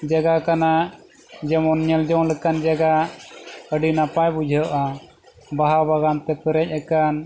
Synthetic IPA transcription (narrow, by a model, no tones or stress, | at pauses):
d͡ʒaɡakana | d͡ʒɛmɔnɲɛld͡ʒɔŋlɛkand͡ʒaɡa | əɖinapajbud͡ʒʱəʔa | baɦabaɡant̪ɛp̪əɾɛc̚ˀakan